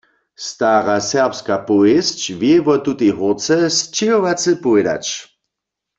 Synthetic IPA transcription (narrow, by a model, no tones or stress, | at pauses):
st̪aːʁasɛʁpskapɔest͡ɕvjɛvɔt̪ut̪eɦʊʁt͡sɛst͡ʃɪɦoʋat͡sɨpɔɛda̰t͡ʃ